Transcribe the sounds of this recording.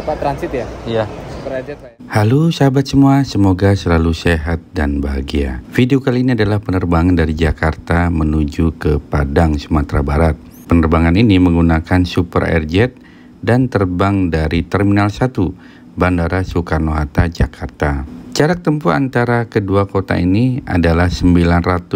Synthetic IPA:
at̪ɾansit̪jajaupəɾd͡ʒɛt̪ | halusbat̪̚səmuasəmoɡasəlaluseɦat̪̚danbaɦaɡia̰fideokaliːniadalahpənərbaŋandaɾid͡ʒakart̪amənud͡ʒukəpadaŋsəmat̪ɾabaɾat̪̚ | pənərbaŋaniniməŋɡunakansupərɛ̰rd͡ʒɛt̪̚ | dant̪ərbaŋdaɾit̪ərminalsat̪u | bandaɾasukarnoɦat̪ad͡ʒa̰kʰart̪at͡ʃaɾak̚t̪əmpua̰nt̪aɾakəduakot̪a̰inia̰dalahsəmbilanrat̪ʊ

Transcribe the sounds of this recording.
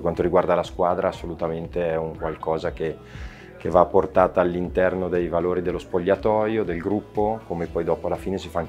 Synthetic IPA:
kwant̪oɾiɡward̪alaskwaːd̪ɾaːsːolut̪ament̪eɛuŋkwalkɔːzake | kevapːort̪aːt̪aːlːint̪ɛrnod̪ejvaloːɾid̪elːospoʎːat̪ɔːjod̪elɡɾupːokomepɔjd̪ɔːpoalːafiːnesifaŋk

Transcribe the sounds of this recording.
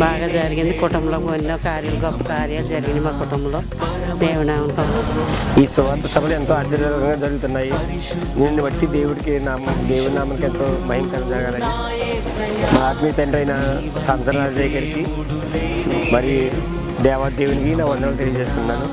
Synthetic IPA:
baːɡaːd͡ʒɐɾiɡind̪ikɔʈɐmloːkoniːɐkaːɾjɐlɐɡɔpːɐkaːɾjald͡ʒɐɾiɡind̪imaːkɔʈɐmloː | d̪eːwunaːuɳʈɐmiːsuʋaːt̪ɐsɐbʱɐlent̪oːaːt͡ʃːɐɾijɐɾɐkɐŋɡaːd͡ʒɐɾuɡut̪unːaːji | ninːiʋɐʈːid̪e̞ːwuɽikinaːmd̪eːwuɽnaːmɐnkent̪oːmɐɦiŋk̪ɐɾd͡ʒɐɾɡaːlɐji | maːt̪miːt̪ɐnʈɐjinɐ | saːnt̪ɐnɐɾaːd͡ʒd͡ʒɐjkɐɾiki | mɐɾi | d̪ɛːʋaːd̪eːwuɽikinaːkɐnd̪ɐɾɐlt̪elijɐd͡ʒeːsu̥k̪unːaːnu

